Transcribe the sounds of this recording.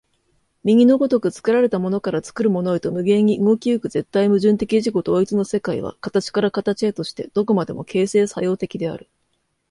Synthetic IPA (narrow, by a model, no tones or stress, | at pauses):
mʲiɲ̟ʲino̞ɡo̞t̪o̞kɯ̟t͡sɨ̥kɯ̟ɾaɾe̞t̪amo̞no̞kaɾat͡sɨ̥kɯ̟ɾɯ̟mo̞no̞it̪o̞mɯ̟ɡẽ̞ɲ̟iɯŋo̞kʲiɯ̟kɯ̟ze̞t̪ːaimɯ̟ʑɨ̃nt̪e̞kʲiʑiko̞t̪oːit͡sɨno̞se̞kaḭβa̰kat̪at͡ɕi̥kaɾakat̪at͡ɕiet̪o̞ɕi̥t̪e̞d̪̥o̞ko̞mad̪e̞mo̞kʰe̞ːse̞ːsajo̞ːt̪e̞kʲid̪e̞a̰ɾɯ̟